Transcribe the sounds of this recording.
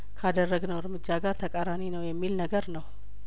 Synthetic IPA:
kʰad̪ərːəɡnəwɨɾmɨd͡ʒːaɡaɾt̪ʰəkʼaɾaninəwjɛmːilnəɡəɾnəw

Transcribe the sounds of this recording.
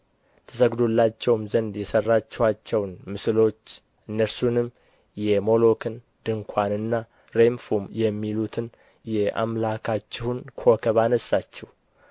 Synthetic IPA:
t̪ʰəsəɡd̪olːat͡ʃːɛwmzənd̪jɛsərːat͡ʃːɛwat͡ʃːɛwnmɨslo̞t͡ʃː | ʔɨnːəɾsunɨm | jɛmo̞lo̞kʰɨn | d̪ɨŋkʷʰanɨnːa | ɾe̞mfumjɛmːilut̪ʰɨn | jɛʔa̰mlakʰat͡ʃːɛhunkʰo̞kʰəβanəsːat͡ʃːɛw

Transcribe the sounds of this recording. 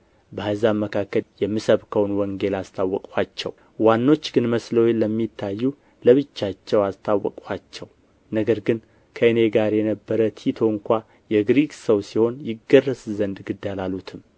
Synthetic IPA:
bəazamːəkʰakːəljɛmːɨsəβkʰəwnwɔŋɡe̞last̪ʰawːɔkʼwat͡ʃːɛ̰w | wanːo̞t͡ʃːɡɨnməsləwjləmːit̪ʰːajːu | ləβɨt͡ʃːat͡ʃːɛwast̪ʰawːɔ̰kʼwat͡ʃːɛw | nəɡəɾɡɨn | kʰəɨne̞ɡaɾjɛnəbːəɾət̪ʰit̪ʰo̞ɨŋkʷa | jɛɡɾiksəwsiho̞njɪɡərːəszənd̪ɡɨd̪ːalalut̪ʰɨm

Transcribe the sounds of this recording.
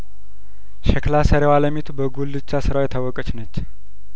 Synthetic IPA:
ʃɛklasəɾewaləmit̪ʰubəɡulːɨt͡ʃːasɨɾawjɛt̪ʰawːɔkʼət͡ʃnət͡ʃː

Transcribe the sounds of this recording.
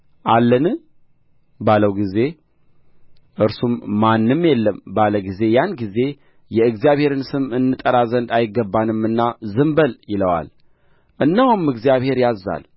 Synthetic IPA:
ʔalːənɨ | baləwɡize̞ | ʔɨɾsumːanːɨmːjɛlːəmbaləɡize̞janɡize̞ | jɛɨɡzijaβhe̞ɾɨnsɨmɨnːɨt̪ʼəɾazənd̪ajɪɡːəbːanɨmːɨnːazɨmbəljɪləwa̰l | ʔɨnːəhumːɨɡzijaβhe̞ɾjazːa̰l

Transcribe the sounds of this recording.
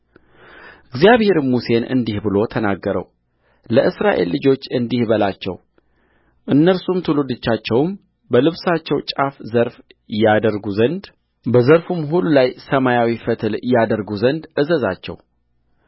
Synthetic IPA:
ɨɡzijaβhe̞ɾmːuse̞nʔɨ̰nd̪ihbɨlo̞t̪ʰənaɡːəɾə̰w | ləʔɨsɾaʔe̞̰lːɨd͡ʒo̞t͡ʃːɨnd̪ihbəlat͡ʃːɛ̰w | ʔɨnːəɾsumt̪ʰɨlud̪ɨt͡ʃːat͡ʃːɛwm | bəlɨβsat͡ʃːɛwt͡ʃʼafzəɾf | jad̪əɾɡuzənd̪ | bəzəɾfumɦulːulajsəmajawifət̪ʰɨljad̪əɾɡuzənd̪ʔɨzəza̰t͡ʃːɛ̰w

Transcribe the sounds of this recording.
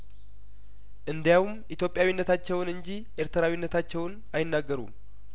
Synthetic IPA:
ʔɨnd̪jawumit̪jo̞pʼjawinːət̪ʰat͡ʃːɛwnɨɲd͡ʒi | ʔe̞ɾt̪ʰəɾawinːət̪ʰat͡ʃːɛwn | ajɪnːaɡːəɾṵm

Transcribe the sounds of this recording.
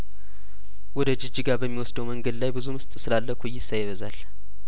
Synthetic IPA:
wɔd̪əd͡ʒɪd͡ʒiɡaɾbəmːiwɔsd̪əwməŋɡəd̪lajbɨzumɨst̪ʼsɨlalːəkʰojːɪsajɪβəza̰l

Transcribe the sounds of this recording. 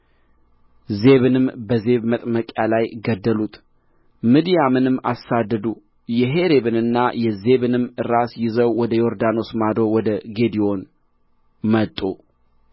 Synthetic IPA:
ze̞βɨnɨmbəze̞βmət̪ʼməkʼjalajɡəd̪ːəlut̪ʰ | mɨd̪ijamɨnɨmːa̰sad̪ːəd̪u | jɛɦe̞ɾe̞βɨnɨnːajɛze̞βɨnɨmɨɾːasjɪzəwwɔd̪əjo̞ɾd̪ano̞smad̪o̞wɔd̪əɡe̞d̪ijo̞n | mət̪ʼːu

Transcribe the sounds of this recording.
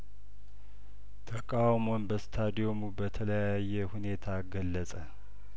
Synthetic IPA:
t̪ʰəkʼawmo̞nbəst̪ʰad̪ijo̞mubət̪ʰələjajːɛhune̞t̪ʰaɡəlːəsʼə

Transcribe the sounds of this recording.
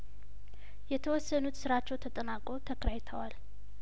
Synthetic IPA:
jɛt̪ʰəwɔsːənut̪sɨɾat͡ʃːɛwt̪ʰət̪ʼənakʼo̞t̪ʰəkʰɾajt̪ʰəwal

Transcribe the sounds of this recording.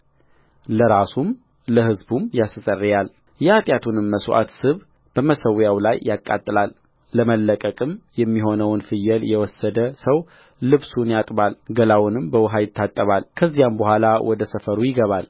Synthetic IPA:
ləɾasum | ləhɨzbumjassʼərːijal | jɛat̪ʼjat̪ʰunɨmːəswʔa̰t̪sɨβ | b̥əməsəwjawlajːʔakʼːa̰t̪ʼːɨlalː | əməlːəkʼəkʼɨmjɛmːiɦo̞nəwnfɨjːɛljɛwɔsːəd̪əsəw | lɨβsunjat̪ʼbalɡəlawnɨmbəwʊɦajɪt̪ʰːat̪ʼːəβalkʰəzːijambəhʷalawʔɔd̪əsəfəɾujɪɡəβal

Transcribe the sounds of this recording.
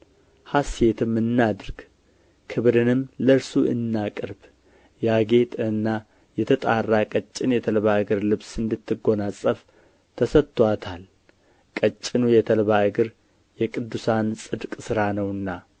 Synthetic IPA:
hasje̞t̪ʰɨmːɨnːad̪ɨɾɡ̥ | kʰɨβɾɨnɨmləɾsuʔɨ̰nːakʼɨɾb | jaɡe̞t̪ʼɨnːa | jɛt̪ʰət̪ʼarːakʼət͡ʃʼːɪnjɛt̪ʰəlβaɡɨɾlɨβsɨnd̪ɨt̪ʰːɨɡo̞nasʼəf | t̪ʰəsət̪ːwat̪ʰal | kʼət͡ʃʼːɪnujɛt̪ʰəlβaɡɨɾ | jɛkʼɨd̪ːusansʼɨd̪kʼsɨɾanəwɨnːa

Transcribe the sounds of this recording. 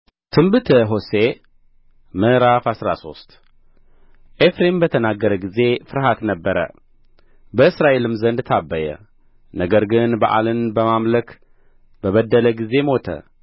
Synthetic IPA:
t̪ʰɨmbɨt̪ʰəɦose | mɨɾafasɾa̰so̞st̪ | ʔefɾembət̪ʰənaɡːəɾəɡize̞fɨɾɦat̪nəbːəɾə̰ | bəɨsɾaʔe̞lɨmzənd̪t̪ʰabːəjə̰ | nəɡəɾɡɨnbəʔa̰lɨnbəmamlək | bəβəd̪ːələɡize̞mo̞t̪ʰə̰

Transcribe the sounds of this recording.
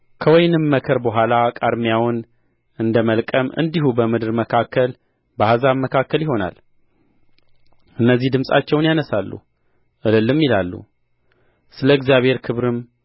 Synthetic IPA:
kʰəwɔjnɨmːəkʰəɾbəɦʷalakʼad̪mijawn | ɨnd̪əməlkʼəmʔɨ̰nd̪iɦubəmɨd̪ɨɾməkʰakːəl | bəhazaβməkʰakːəljiɦo̞na̰l | ʔɨnːəzːihd̪ɨmsʼa̰t͡ʃːɛwnjanəsalːṵ | ʔɨlɨlːɨmjilalːṵ | sɨləɨɡzjaβhe̞ɾkʰɨβɾɨm

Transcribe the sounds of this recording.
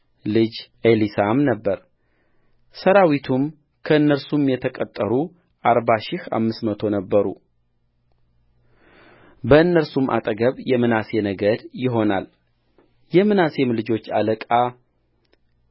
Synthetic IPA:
lɨd͡ʒʔelisamnəbːəɾ | səɾawit̪ʰum | kʰəɨnːəɾsumjɛt̪ʰəkʼət̪ʼːəɾu | ʔaɾbaʃɪha̰mːɨsmət̪ʰo̞nəbːəɾṵ | bəɨnːəɾsumʔa̰t̪ʼəɡəβjɛmɨnase̞nəɡəd̪jɪɦo̞na̰l | jɛmɨnase̞mlɨd͡ʒo̞t͡ʃːa̰ləkʼa

